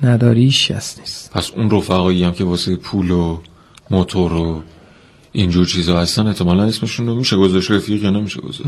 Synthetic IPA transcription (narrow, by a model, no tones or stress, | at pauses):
næd̪ɒːɾiiʃcʰæ̰sni̥st̪pʰæsunrofæɣɒːjijæmcʰe̞vɒːset̪epʰuːlo | mot̪ʰoɾo | ind͡ʒuːɾt͡ʃʰiːzɒːhæst̪æne̞ʔt̪ʰːemɒːlæne̞sme̞ʃunomiːʃeɡozæʃtɾefiːɣjɒnemiːʃḛɡo̰zæ̰ʃ